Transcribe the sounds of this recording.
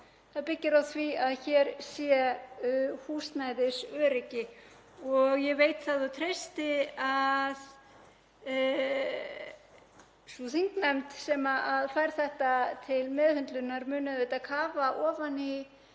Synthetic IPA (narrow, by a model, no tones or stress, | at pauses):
θaðpɪcːɪɾawθviaðçɛɾ̥sjɛ | huːst̪najðɪsœːɾɪcɪ | ɔɣjɛveːjt̪θaðat̪ʰɾejst̪ɪað | suθiŋknɛmt̪sɛmaʔaðfajɾ̥θɛht̪at̪ʰɪlmɛðhʏnt̪lʏnːaɾmʏːnaðvɪt̪akʰaːvaʔɔːvani